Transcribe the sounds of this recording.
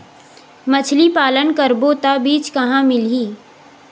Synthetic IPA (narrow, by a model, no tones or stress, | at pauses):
mɐt͡ʃʰlipaːlənkəɾboːt̪abiːt͡ʃkɐɦãmɪlɦiː